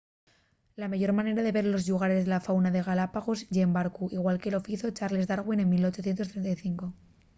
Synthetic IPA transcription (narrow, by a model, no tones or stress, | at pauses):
lamaʝo̞ɾmãne̞ɾaðe̞βe̞ɾlo̞zʎuɣ̞aɾe̞zðe̞lafawnaðe̞ɣalapaɣo̞zʝembaɾkuʔiɣwalke̞lo̞fiθot͡ʃaɾle̞zðaɾɣwinẽnmilo̞t͡ʃo̞θjent̪o̞st̪ɾe̞nt̪ajθiŋko̞